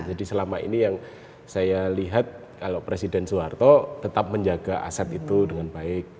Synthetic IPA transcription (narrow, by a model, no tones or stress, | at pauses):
d͡ʒadisəlamaḭnijaŋ | sajaliɦat̪̚ | kalopɾesidɛnsuart̪ɔt̪ət̪ap̚məɲd͡ʒaɡaʔa̰sat̪it̪udəŋanbaɪk̚